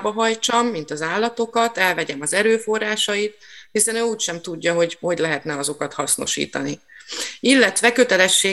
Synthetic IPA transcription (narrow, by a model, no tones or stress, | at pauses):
bɒɦɒjt͡ʃɒmːint̪ɒzaːlːɒt̪o̞kɒt̪ɛlvɛɟɛmɒzɛɾøːfo̞rːaːʃɒjit̪ | hisɛnøːuːcʃɛmt̪uɟːɒɦo̞ɟho̞ɟlɛɦɛt̪nɛɒzo̞kɒt̪hɒsno̞̰ʃḭːt̪ɒ̰ni | ilːɛt̪ʋɛkø̞t̪ɛlɛʃːeː